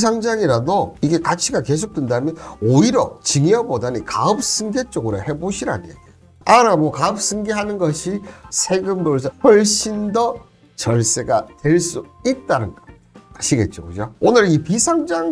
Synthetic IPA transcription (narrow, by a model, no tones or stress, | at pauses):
sʰaŋd͡ʑaŋiɾadoiɡe̞kat͡ɕʰiɡake̞s̬ʰok̚t͈wendamjʌnoiɾʌt͡ɕiŋiʌbodanikaɯp̚s͈ɯŋɡe̞t͡ɕ͈oɡɯɾohe̞boɕʰiɾa̰njḛɡi | aɾamʌkaɯp̚s͈ɯŋɡeɦanɯnɡʌɕʰisʰe̞ɡɯmdoɭs̬hʌɭɕ͈indʌ | t͡ɕʌɭs͈e̞ɡatweɭs͈uit̚t͈anɯn | aɕʰiɡe̞t̚t͡ɕ͈o̰ɡud͡ʑoonɯɾipisʰaŋd͡ʑaŋ